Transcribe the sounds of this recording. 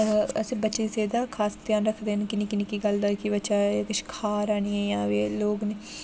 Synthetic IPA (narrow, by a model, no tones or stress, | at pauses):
əsĩːbətːʃeːseːd̪aːkʰaːst̪ɪjãːnɾəkʰd̪eːnkɪnĩːkɪniːkiːɡəld̪aːkibətːʃaːkɪʃkʰaːɾaːniːẽːjãːʋeːloːɡneː